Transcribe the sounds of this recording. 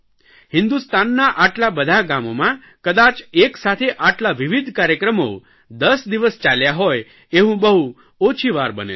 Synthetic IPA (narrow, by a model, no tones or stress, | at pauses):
hɪ̃nd̪ust̪anːaʔaʈlabəd̪ʱaɡamomã | kəd̪at͡ʃeksat̪ʰeʔaʈlaʋiʋid̪ʱkaɾjəkɾəmo | d̪əsd̪iʋəst͡ʃaljaɦoj | eɦũbəɦu | ot͡ʃʰiʋaɾbə̰nḛ